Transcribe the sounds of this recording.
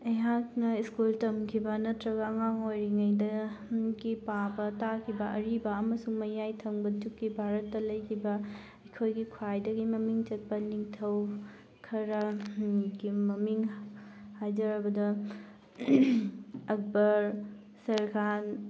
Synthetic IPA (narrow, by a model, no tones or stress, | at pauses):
ɐjɦak̚nɐiskultɐmkʰibɐnɐtɾɐɡɐːŋaŋojɾiŋɐjdɐɡipabɐtakʰibɐʔɐɾibɐːmɐsuŋmɐjajtʰɐŋbɐtukːibʱaɾɐtːɐlɐjkʰibɐ | ɐkʰojɡikʰwajdɐɡimɐmiŋt͡ʃɐt̚pɐniŋtʰɐw | kʰɐɾɐ | ɡimɐmiŋ | hajzɐɾɐbɐdɐ | ɐk̚bɐɾ | sɐɾɡʰan